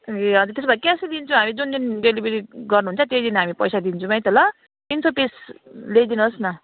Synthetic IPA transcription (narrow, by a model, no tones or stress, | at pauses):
eʌd͡zʌt̪esbʌjkasid̪int͡sʰũɦamid͡zund̪inɖelibeɾiɡʌrnuɦunt͡sʰʌt̪ejd̪inɦamipʌjsad̪int͡sʰũmʌjt̪ʌlʌ | d̪int͡sʰopeslejd̪inusnʌ